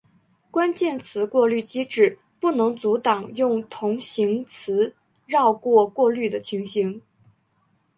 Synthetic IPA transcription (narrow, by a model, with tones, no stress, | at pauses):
kwa˥nt͡ɕjɛ˥˩nt͡sʰɹ̩˧˥kwɔ˥˧ly˥˩t͡ɕi˥ʈ͡ʂɻ̩˥˩ | pu˥˩nɤ˧˥ŋt͡su˧˥t̪ɑ˨˩ŋjʊ˥˩ŋt̪ʰʊ˧˥ŋɕi˧˥ŋt͡sʰɹ̩˧˥ | ɻɑ˥˧ʊkwɔ˥˧kwɔ˥˧ly˥˩d̪ə˩t͡ɕʰi˧˥ŋɕi˧˥ŋ